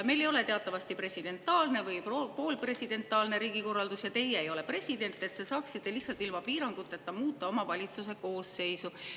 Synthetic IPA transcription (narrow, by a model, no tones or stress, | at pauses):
me̞jle̞jo̞le̞t̪e̞ɑt̪ːˑɑvɑst̪ipre̞sid̪̥e̞nt̪ːˑɑːlne̞vɯjpopo̞ːlpre̞sid̪̥e̞nt̪ːˑɑːlne̞ɾiːɡ̥iko̞rːɑld̪usjɑt̪e̞jeːjo̞lepre̞sʲid̪e̞nt̪ːˑe̞t̪ːse̞sɑːksit̪ːe̞lihsːɑlt̪ːˑilmɑpiːɾɑŋɡ̥ut̪ːˑe̞t̪ːɑmuːt̪ːˑɑo̞mɑvɑlʲit̪sus̬e̞ko̞ːsːe̞jsu